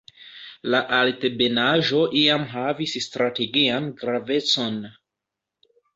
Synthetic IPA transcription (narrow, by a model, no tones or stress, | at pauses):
laʔaltebe̞naʒo̞ʔiamɦavisstɾate̞ɡianɡɾave̞t͡so̞n